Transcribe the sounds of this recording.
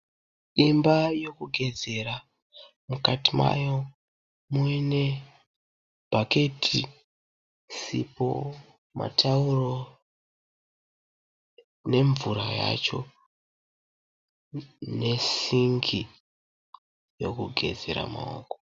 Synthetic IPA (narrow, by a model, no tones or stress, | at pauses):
imbajo̞kuɡʱe̞d͡ze̞ɾa | mukatima̰jo̞ | muine̞ | b̥ʱake̞tʰi | sipo̰ | ma̰tʰauro̞ | ne̞ɱvuɾaja̰t͡ʃo̞ | ne̞siŋɡi | jo̞kuɡʱe̞d͡zeɾa̰ma̰o̰ko